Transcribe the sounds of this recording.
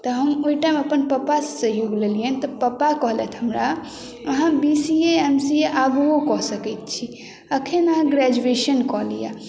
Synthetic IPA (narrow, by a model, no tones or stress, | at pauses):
t̪ɔɦəmoiʈajməpənpəpassəɦijoɡleliənt̪ɔpəpakɔɦlɛt̪ʰɦəmɾa | əɦãbisieemsieʔaɡokɔɦsəkɛt̪̚t͡ʃʰi | əkʰenəɦãɡɾæd͡ʒueʃənkɔɦlija̰